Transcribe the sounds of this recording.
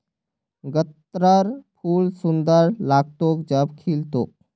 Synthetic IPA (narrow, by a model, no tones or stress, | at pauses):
ɡət̪ɾəɾpʰuːlsʊnd̪əɾlaːɡ̚t̪okd͡ʒəbkʰilt̪o̰ːk̚